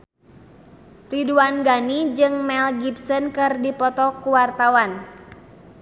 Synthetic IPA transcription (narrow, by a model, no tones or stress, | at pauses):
riduanɡanid͡ʒɨŋmɛlɡipsɔnkɨrdipɔt̪ɔkuwart̪awan